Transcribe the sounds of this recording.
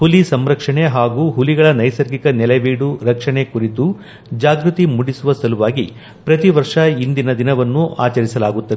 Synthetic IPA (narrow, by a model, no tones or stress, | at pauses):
hulisɐmɾɐkʂɐɳeɦaːɡuːɦuliɡɐɭɐnɐjsɐɾɡikɐnɛleʋiːɽuɾɐkʂɐɳekuɾit̪u | d͡ʒaːɡɾut̪imuɽisuʋɐsɐluʋaːɡi | pɾɐt̪iʋɐɾʂɐind̪inɐd̪inɐʋɐnːua̰ːt͡ʃɐɾisɐlaːɡut̪ːɐ